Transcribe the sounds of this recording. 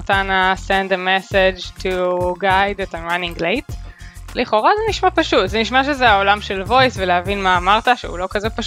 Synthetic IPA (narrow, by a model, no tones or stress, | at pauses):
tanasẽnd̪emesed͡ʒtʰuɡajd̪etajmanĩŋɡlejtliχo̞ʁazeniʃmapaʃutzeniʃmaʃezeaolamʃelvo̞jsveleɦavinmaːmaʁt̪aʃḛṵlo̞kazepaʃ